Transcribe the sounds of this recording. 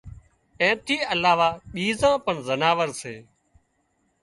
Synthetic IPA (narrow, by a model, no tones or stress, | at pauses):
ɛ̃ːt̪ʰiːəlaːʋaːɓiːzãːpəɳzənaːʋəɾseː